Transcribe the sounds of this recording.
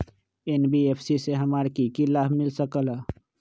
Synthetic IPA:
enbiepʰsiseɦəmaɾkikilabʱmɪlsəkələ

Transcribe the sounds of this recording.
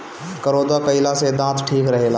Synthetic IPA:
kəɾod̪akəɪlased̪ãt̪ʰʈʰiːkɾəɦela

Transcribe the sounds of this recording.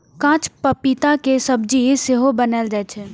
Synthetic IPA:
kãːt͡ʃpəpit̪akesəbd͡ʒiseɦobənəld͡ʒɛːt͡ʃʰɛ

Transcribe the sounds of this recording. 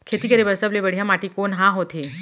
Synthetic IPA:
kʰet̪iːkəɾebəsəblebəɽ̤ijãmaʈiːkonɦãɦot̪ʰe

